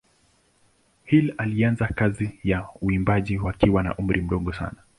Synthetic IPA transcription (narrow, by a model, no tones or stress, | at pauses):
hilalianzakazijauimbaʄiwakiwana̰ʔum̩ɾʔim̩ɗɔɠɔsa̰na